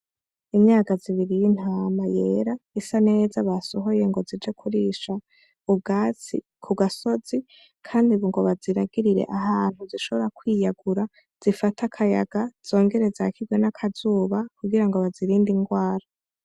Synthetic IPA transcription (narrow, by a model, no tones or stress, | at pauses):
imɲaːkaziβiɾijin̥haːmaje̞ːɾaisane̞ːzaβasoɦo̞je̞ŋɡo̞zid͡ʒekʰuɾiʃa | ub̚ɡaːt͡sḭ | kʰuɡaso̞zi | kʰaːndiβuŋɡo̞βaziɾaɡiɾiɾḛʔaɦaːn̥huziʃo̞βoɾakwiːjaɡuɾa | z̥ifatʰakʰaja̰ɡ̥az̥o̞ːŋɡe̞ɾe̞zakʰibɡwe̞nakʰazuːβakuɡiɾaŋɡo̞βaziɾiːndiŋɡwaːɾa